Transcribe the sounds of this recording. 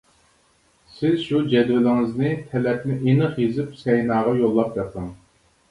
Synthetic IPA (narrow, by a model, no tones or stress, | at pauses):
sɪzʃud͡ʒɛd̪wɪlɪŋɪznɪt̪ʰɛlɛpnɪʔenəχjezɪpsɛjnɑːʁɑjolˠːɑp̚d̪ɛqɨŋ